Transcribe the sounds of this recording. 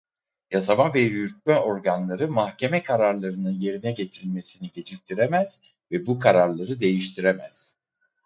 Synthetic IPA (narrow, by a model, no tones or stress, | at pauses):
jasamavɛjyɾc̚mɛo̞ɾɡanlˠaɾɯmahcʰe̞mɛkʰaɾaɾlˠaɾɯnɯnje̞ɾinɛɟe̞t̪ʰiɾilʲme̞siniɟe̞d͡ʒʰict̪ʰiɾɛmæz̥ | vɛbukʰaɾaɾlˠaɾɯd̪e̞jiʃt̪ʰiɾemæz̥